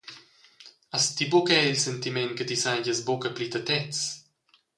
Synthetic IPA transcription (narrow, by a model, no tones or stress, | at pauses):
ast̪ibokɛilsɛnt̪imɛnkət̪isajɟəsbokəplit̪ɐt̪ɛt͡s